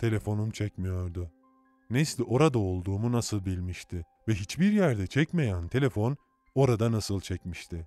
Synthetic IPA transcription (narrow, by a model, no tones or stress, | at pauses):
t̪ʰe̞lʲe̞fo̞numt͡ʃʰɛcmijo̞ɾd̪ʊ | neslʲʔo̞ɾad̪ao̞lˠd̪uːmunasɯlˠbilʲmiʃt̪ʰɪ | vɛɦit͡ʃbiɾjæɾd̪ɛt͡ʃʰɛcme̞jænt̪ʰe̞lʲe̞fo̞n | o̞ɾad̪anasɯlˠt͡ʃʰɛcmiʃt̪ʰɪ